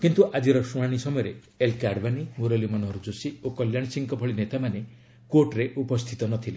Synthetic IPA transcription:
kint̪uʔad͡ʒiɾɔsuɽ̃aɽ̃isɔmɔjɔɾe | elkaɽbanimuɾelimɔnɔɦɾud͡ʒosiokɔljaɽ̃isiŋkɔbʱɔɭinet̪amane | koʈɾeʔupɔst̪ʰit̪ɔnɔt̪ʰile

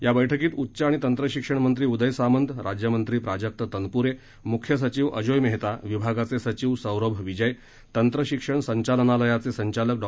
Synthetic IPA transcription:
jabəjʈʰəkiːt̪utːɕaaɽ̃it̪ənt̪ɾəɕikʂəɳmənt̪ɾiːud̪əjsamənd̪ɾad͡ʑjəmənt̪ɾiːpɾad͡ʑək̚t̪ət̪ənpuɾe | mukʰjəs̬ət͡ɕiːʋə̰d͡ʑojmeɦt̪aʋibʱaɡat͡sesət͡ɕiʋsə̃wɾəbʱʋid͡ʑəj | t̪ənt̪ɾəɕikʂəɳsəɲt͡ɕalənaləjat͡sesəɲt͡ɕalək̚ɖɔ

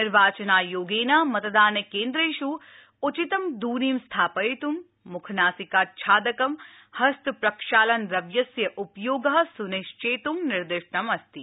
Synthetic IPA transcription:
ɪɾʋaːt͡ʃɐnaːjoːɡeːnaːmɐt̪d̪aːnɐkeːnd̪ɾɐʃu | ut͡ʃit̪ɐmd̪uːniːmst̪ʰaːpɐjt̪umː | ukʰɐnaːsikaːt̪̚t͡ʃʰaːd̪ɐkɐm | hɐst̪ʰpɾɐkʃaːlɐnɾɐʋjɐsjɐʔupjoːɡɐɦsuneːʃt͡ʃeːt̪umnɪɾd̪ɪʂɳɐmɐst̪i

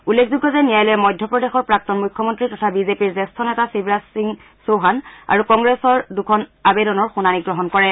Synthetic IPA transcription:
ulːekʰzuɡːɔzɛnijajlɔɛmɔjdʱjɔpɹɔdexɔɹpɹak̚tɔnmujkʰːɔmɔntɹitɔtʰabizepiɹzɛstʰɔnɛtasibʱɹasiŋ | soɦana̰ɹukɔŋɡɹɛsɔɹdukʰɔnabedɔnɔɹxunaniɡɹɔɦɔnkɔɹɛ

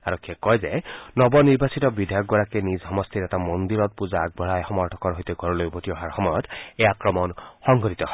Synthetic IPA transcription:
aɹɔkʰːjɛkɔjzenɔbɔniɹbasit̪ɔbid̪ʱajɔk̚ɡɔɹakɛnizɦɔmɔst̪ʰiɾɛt̪amɔnd̪iɾɔt̪̚puzaːɡ̚bʱɔɹajxɔmɔɹʈʰɔ̥kɔɹɦojt̪ɛɡʱɔɹɔlojbʱotiɔɦaɹxɔmɔjɔt̪ʰejakɹɔmɔnxɔŋɡɔɾit̪ɔɦɔ

